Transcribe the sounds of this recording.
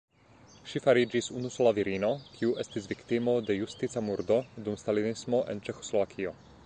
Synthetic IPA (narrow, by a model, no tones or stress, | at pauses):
ʃifaɾid͡ʒisunusɔlaviɾinokʰjuʔɛst̪izvikt̪imod̪ɛjust̪it͡samuɾd̪ɔd̪umst̪alinismoʔɛ̰nt͡ʃɛxo̥slɔʋakʰiɔ